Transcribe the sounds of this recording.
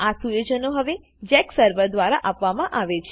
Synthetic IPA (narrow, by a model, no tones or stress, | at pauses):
asujod͡ʒənoɦəʋe | d͡ʒɛksəɾʋəɾd̪ʋaɾaʔapʋamãʔaʋet͡ʃʰ